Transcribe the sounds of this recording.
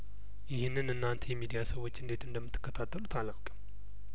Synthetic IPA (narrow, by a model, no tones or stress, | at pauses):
jɪhɪnːɨnɨnːant̪ʰejɛmid̪ijasəwːo̞t͡ʃːɨnd̪e̞t̪ɨnd̪əmːɨt̪ːɨ̥kːət̪ʰat̪ʰːəlut̪ʰalːəwkʼəm